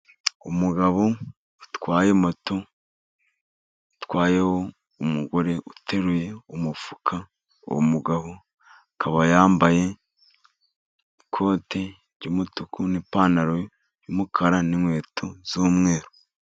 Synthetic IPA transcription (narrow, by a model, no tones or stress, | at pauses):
ṵmuɡaβoː | twaːjemoto | utwaːjeho̞ | umuɡo̞ɾe̞ʔutʰe̞ɾuje̞umufu̥kʰa | o̰womuɡaβo | akʰaβajaːmbaje̞ | kʰo̞ːte̞ | ɟumutukunipaːnaɾoj | jumukʰaɾaninwe̞ːtʰoz̥uːmŋe̞ːɾo